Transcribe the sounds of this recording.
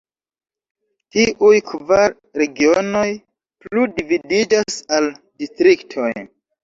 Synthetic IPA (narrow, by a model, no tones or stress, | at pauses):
tiʔujkvaɾ | ɾe̞ɡio̞no̞j | plludividid͡ʒasaldistɾiktʰo̞̰j